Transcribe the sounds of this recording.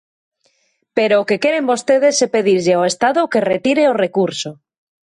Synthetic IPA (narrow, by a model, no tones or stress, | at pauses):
peɾoːke̞kjeɾe̞mbo̞st̪eð̞e̞sepe̞ðiɾʎeoest̪aðoke̞ret̪iɾeore̞kuɾso